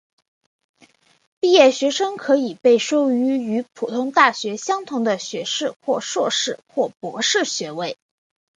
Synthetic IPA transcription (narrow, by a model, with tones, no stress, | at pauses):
pi˥˧jɛ˥˩ɕɥɛ˧˥ʂɤ˥ŋkʰɤ˧˥i˨˩pe˥˩ɪʂo˥ʊy˧˥y˧˥pʰu˨˩t̪ʰʊ˥ŋt̪a˥˩ɕɥɛ˧˥ɕjɑ˥ŋt̪ʰʊ˧˥ŋd̪ə˧ɕɥɛ˧˥ʂɻ̩˥˧xwɔ˥˧ʂwɔ˥˧ʂɻ̩˥˩xwɔ˥˩pwɔ˧˥ʂɻ̩˥˩ɕɥɛ˧˥we˥˩ɪ